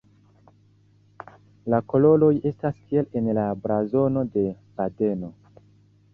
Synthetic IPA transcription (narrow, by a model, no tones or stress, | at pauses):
lako̞lo̞lo̞je̞staskie̞le̞nlabɾazo̞no̞de̞ | b̥ade̞no̞